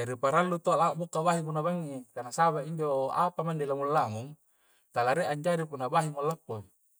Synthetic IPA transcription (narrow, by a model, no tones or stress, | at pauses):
d͡ʒaɾipaɾalːut̪olaʔbukːabaɦiɡunabaŋːit̪anasaβaiɲd͡ʒoa̰pamandelamulːaŋuŋ | t̪alaɾeʔaɲd͡ʒaɾipunːabaɦimulːakːo